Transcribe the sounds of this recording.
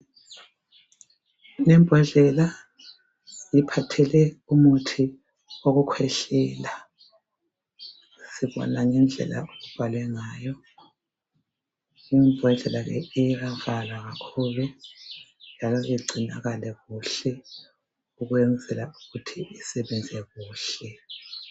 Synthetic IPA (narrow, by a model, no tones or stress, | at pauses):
nɛmbʱɔɮɛla | jipʰatʰɛlɛumutʰi | oɣukʰwɛɬɛːla | siβɔ̰naŋɛnd͡ɮʱɛ̰la̰oɣub̥ʱalwɛŋaːjɔ | imbʱɔɮɛlaɣɛ̰iɣav̥alwaɣakʰuːβɛ | nd͡ʒʱalɔʔiɡ͡ǀʱinaɣalɛɣuɬɛ | uɣwɛnd͡zʱɛlauɣutʰiʔisɛβɛnd͡zʱɛɣuːɬɛ